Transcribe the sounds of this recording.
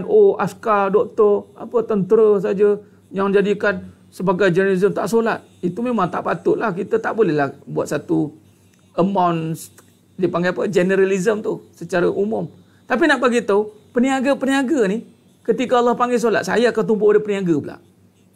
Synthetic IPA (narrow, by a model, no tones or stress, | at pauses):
nʔoaskadɔk̚t̪ɔra̰pət̪ənt̪əɾəs̬ad͡ʒə | jaŋd͡ʒadikan | səbaɡajd͡ʒənəlizəmt̪aʔsolat̪̚it̪umẽmãŋt̪aʔpat̪ʊʔ̪̚lahkit̪ət̪aʔbolɛhlahbua̰t̪̚sat̪u | əmawns | dipaŋɡajapəd͡ʒɛnəɾalizəmt̪usət͡ʃaɾaʔumʊm | t̪apinaʔbaɡit̪əpəniaɡəpəniaɡəni | kət̪ikaɑlːɑhpaŋɡes̬ola̰t̪̚sa̰jaakant̪̬umpʊadəpəniaɡəbəla̰ʔ